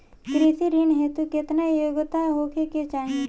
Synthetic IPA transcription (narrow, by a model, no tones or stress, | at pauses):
kɾit̪iɾinɦet̪ukɪt̪najoɡt̪aɦoːkeket͡ʃaːɦĩ